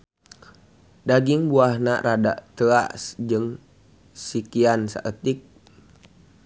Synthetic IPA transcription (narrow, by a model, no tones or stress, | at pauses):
daɡiŋbuahna̰ɾada̰ʔt̪əa̰ʔsd͡ʒɨŋ | sikiansa̰ʔət̪ik̚